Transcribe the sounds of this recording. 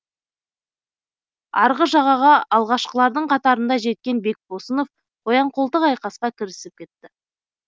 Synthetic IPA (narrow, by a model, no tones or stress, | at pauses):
ɑɾʁəʒɑʁɑʁɑɑlˠʁɑʃqəlˠɑɾd̪əɴqʰɑt̪ɑɾənd̪ɑʒe̞t̪̚kʲe̞nbe̞k̚bo̞səno̞f | wo̞jɑɴqolˠt̪əqɑjqɑsqɑkʲʰɪɾɪsɪp̚kʲʰe̞t̪ːɪ